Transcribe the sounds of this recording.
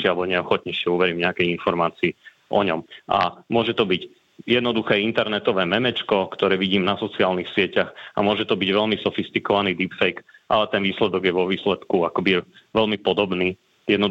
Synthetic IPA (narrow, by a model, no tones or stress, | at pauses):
abɔɲɛɔxɔt̪̚ɲɛʃɪɛuʋɛɾiːmɲɛakɛjinfɔɾmaːt͡siː | ɔ̰ɲɔmʔa̰mʊɔʒɛt̪ɔbic | jɛd̪nɔd̪uxɛːint̪ɛɾnɛt̪ɔʋɛːmɛmɛt͡ʃkɔkt̪ɔɾɛːʋiɟiːmnasɔt͡siaːlnixsɪɛcaxa̰mʊɔʒɛt̪ɔbiɟʋɛʎmisɔfist̪ikɔʋaniːd̪iːpfɛjkʔalɛt̪ɛnʋiːslɛd̪ɔɡjɛʋɔʋiːslɛt̪kuakɔbiʋɛlmipɔd̪ɔbniː | jɛd̪nɔ